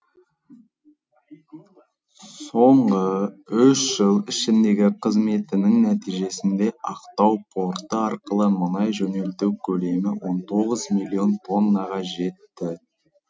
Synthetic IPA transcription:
so̞ɴʁəʏʃʒ̥əlˠɪʃɪnd̪e̞ɡʲɪqʰəzme̞t̪ɪnɪŋnæt̪ijʒe̞sɪnd̪e̞ʔɑqt̪ɑwpʰo̞ɾt̪əɑɾqəlˠəmənɑjʒɵne̞lt̪ewkʲʰɵle̞mɪwo̞nt̪ʰo̞ʁəzmijlʲio̞nt̪ʰo̞nːəʁɑʒe̞t̪ːɪ

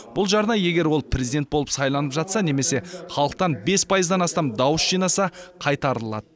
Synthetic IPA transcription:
b̥ʊlˠʒɑɾnɑje̞ɡʲe̞ɾwo̞lˠpʰrʲezid̪e̞nt̪bo̞lˠəpsɑjlˠɑnəpʒɑt̪sɑne̞me̞se̞χɑlˠəq̚t̪ɑnbe̞spʰɑjəzd̪ɑnɑst̪ɑmd̪ɑwəsʒijnɑsɑqʰɑjt̪ɑɾəlˠɑ̰d̪ə

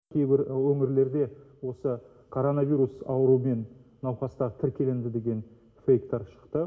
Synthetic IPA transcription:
kʲʰejbɪɾwɵŋɪɾle̞ɾd̪e̞wo̞sə | kʰoɾo̞navʲijɾusɑ̰wəɾume̞nnɑwχɑst̪ɑʁət̪ʰɪɾkʲe̞lend̪ɪd̪e̞ɡʲe̞n | fejkt̪ɑɾʃə̥qt̪ə

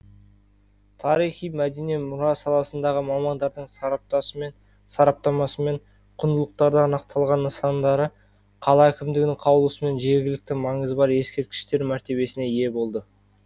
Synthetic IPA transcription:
t̪ʰɑɾijχijmæd̪enemʊɾɑsɑlˠɑsənd̪ɑʁəmɑmɑnd̪ɑɾd̪əɴsɑɾɑp̚t̪ɑsəen | sɑɾɑp̚t̪ɑmɑsəme̞ɴ | qʰʊnd̪əlˠəq̚t̪ɑɾd̪əɑnɑq̚t̪ʰɑlˠʁɑnːəsɑnd̪ɑɾə | qʰɑlˠɑækʲɪmd̪ɪɡʲɪnɪŋqʰɑwəlˠusəme̞nʒe̞ɾɡʲɪlɪk̚t̪ɪmɑɴəzbɑɾje̞skʲe̞ɾt̪̚kʲɪ̥ʃt̪e̞ɾmæɾt̪e̞be̞sɪne̞je̞bo̞lˠd̪ə

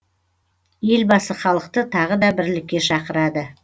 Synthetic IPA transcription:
je̞lbɑsəχɑlˠəq̚t̪ət̪ʰɑʁəd̪ɑbɪɾlɪkʲːe̞ʃɑqəɾɑd̪ə

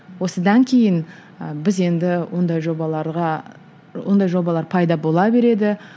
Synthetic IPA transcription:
wo̞səd̪ɑŋkʲʰe̞jɪn | bɪze̞nd̪ɪwond̪ɑjʒobɑlˠɑɾʁɑ | wo̞nd̪ɑjʒo̞bɑlˠɑɾpʰɑjd̪ɑbo̞lˠɑbe̞ɾe̞d̪ɪ

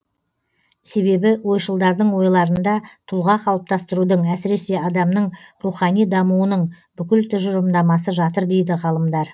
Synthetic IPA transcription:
se̞be̞bɪwo̞jʃəlˠd̪ɑɾd̪əɴwo̞jlˠɑɾənd̪ɑt̪ʰʊlˠʁɑqʰɑlˠəp̚t̪ɑst̪əɾud̪əɴæsɪɾe̞se̞ɑd̪ɑmnəɴruχɑnijd̪ɑmuwənəɴ | bʏkʲɪlt̪ʰʏʒʊɾəmd̪ɑmɑsəʒɑt̪əɾd̪e̞jd̪ɪʁɑlˠəmd̪ɑɾ

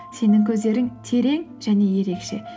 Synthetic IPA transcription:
se̞nɪŋkʲʰɵzd̪e̞ɾɪŋt̪ʰe̞ɾe̞ŋʒ̥æne̞je̞ɾe̞kʃe

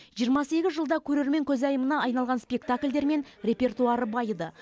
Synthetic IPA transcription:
ʒijəɾmɑse̞ɡʲɪzʒəlˠd̪ɑkʲʰɵɾe̞ɾme̞ŋkʲʰɵzɑjəmənɑɑjnɑlˠʁɑnspʲe̞kt̪akʲlʲd̪e̞ɾme̞nrʲe̞pʲe̞rt̪uaɾəbɑjd̪ə

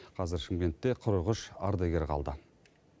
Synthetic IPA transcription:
qʰɑzɪɾʃɪŋɡʲe̞nt̪ːe̞qʰʊɾəʁəʃɑɾd̪ɑɡʲeɾqʰɑ̰lˠd̪ə

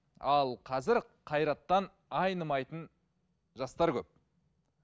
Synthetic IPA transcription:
ɑlˠqʰɑzɪɾqʰɑjɾɑt̪ːɑn | ɑjnəmɑjt̪ən | ʒɑst̪ɑɾkʲɵp̚

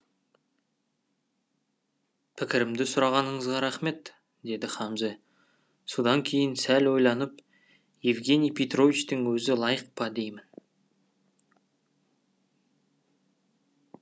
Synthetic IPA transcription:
pʰɪkʲɪɾɪmd̪ɪsʊɾɑʁɑnəɴəzʁɑɾæχme̞t̪ | d̪e̞d̪ɪχɑmze | sod̪ɑŋkʲʰe̞jɪnsælwo̞jlˠɑnəp | jevɡʲe̞nijpʰʲet̪ro̞vit͡ʃt̪ɪŋwɵzɪlˠɑjəq̚pɑd̪e̞jmɪn

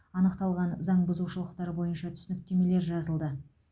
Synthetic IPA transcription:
ɑnəqt̪ɑlˠʁɑnzɑɴbʊzuʃəlˠəqt̪ɑɾbo̞jənʃɑt̪ʰʏ̥sɪnɪk̚t̪ʲʰe̞me̞le̞ɾʒɑzəlˠd̪ə

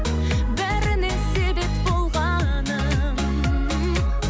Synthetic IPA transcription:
bæɾɪne̞se̞be̞p̚bo̞lˠʁɑ | nə

